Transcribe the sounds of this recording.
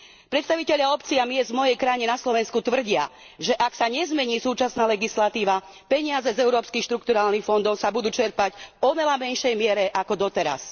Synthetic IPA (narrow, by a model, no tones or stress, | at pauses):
pɾɛt̪st̪aʋicɛʎaɔpt͡siamɪɛzmɔjɛjkɾajiɲɛnaslɔʋɛnskut̪ʋr̩ɟɪa̰ | ʒɛʔaksaɲɛzmɛɲiːsuːt͡ʃasnaːlɛɡislat̪iːʋa | pɛɲɪad͡zɛzɛʊɾɔːpskixʃt̪ɾuk̚t̪uɾaːlnixfɔnd̪ɔʊsabud̪uːt͡ʃɛɾpacɔʋɛlamɛnʃɛjmɪɛɾɛʔakɔd̪ɔt̪ɛɾa̰s